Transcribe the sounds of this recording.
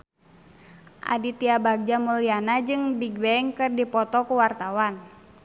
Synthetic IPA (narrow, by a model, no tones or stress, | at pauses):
ʔa̰dit̪iabaɡ̚d͡ʒamulianad͡ʒɨŋbiɡ̚bɛɛŋkɨrdipɔt̪ɔkuwart̪awan